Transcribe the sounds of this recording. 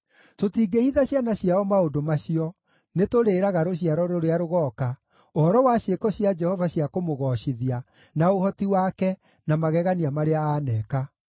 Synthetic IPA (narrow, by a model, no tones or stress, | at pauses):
totiːɡehiðaɕjanaɕjaɔmaodomaɕiɔ | netoɾeːɾaɣaɾoɕ̬iaɾɔɾoɾeaɾoɣɔːka | oɔɾɔwaɕekɔɕiad͡ʒɛhɔvaɕjakomoɣɔɕiðia | naohɔtiwaːkɛ | namaɣɛɣaniamaɾeaaːnɛka